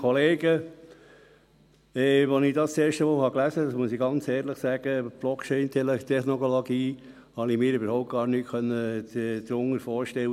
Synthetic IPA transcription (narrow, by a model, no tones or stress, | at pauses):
kʰɔleːɡə | ɛʋɔnɪd̥ɑst͡seːɾʃtəmɔːhɑklæzədɑsmuəsiɡɑnt͡sɛːɾləχsæɡ̥əb̥lɔkt͡ʃɛɪnt̪ʰɛlt̪ʰɛχnokoloɡiː | hɑnimɪːɾybəɾhɔʊp̚t̚ɡ̥ɑːɾnytkʰχœnːəd̪ɾʊŋːəɾfɔːɾʃtɛlə